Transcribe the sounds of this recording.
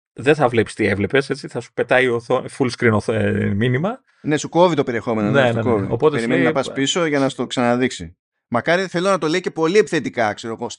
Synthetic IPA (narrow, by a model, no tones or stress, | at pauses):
ðeθɐvlepsi̥t̪ievle̞pe̞se̞t͡siθɐsu̥pe̞t̪ɐioθofulskɾinominimɐ | ne̞suko̞vit̪ope̞ɾie̞xo̞me̞nonenekoviopot̪eeɾimenninɐpɐspiso̞ʝɐnɐst̪o̞ksɐnɐðiksḭ | mɐkɐɾiθe̞lo̞nɐt̪o̞lece̞po̞liepiθe̞t̪ikɐkse̞ɾo̞ɣo̞s